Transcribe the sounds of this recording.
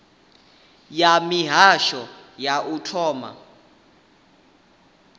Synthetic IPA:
jamiɦaʃɔjaʔutʰɔːma̰

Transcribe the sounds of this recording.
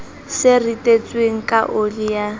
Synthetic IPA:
sɪritʼet͡sʼweŋ̩kʼaʔolija

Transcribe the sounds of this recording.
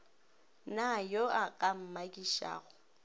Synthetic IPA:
najoakʼam̩makʼiʃa̰ːɣʊ

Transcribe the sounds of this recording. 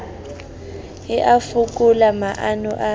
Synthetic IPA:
ɛʔafukʼulamaʔanɔ̰ʔa

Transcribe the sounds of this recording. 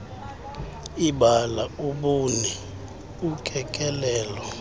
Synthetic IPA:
iɓalauɓunɛ | ukʰʼɛkʼɛlɛːlɔ

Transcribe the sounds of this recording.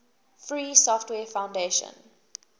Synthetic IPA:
fɹiːsɔftwɛːfãʊ̃ndeʃə̰̃n

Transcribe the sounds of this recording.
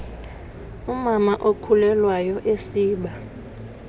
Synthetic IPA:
umamaʔokʰulɛlwajɔʔesiːɓa

